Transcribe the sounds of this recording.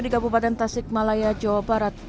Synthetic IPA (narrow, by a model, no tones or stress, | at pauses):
dikabupat̪ɛnt̪asɪk̚malajad͡ʒawabaɾat̪̚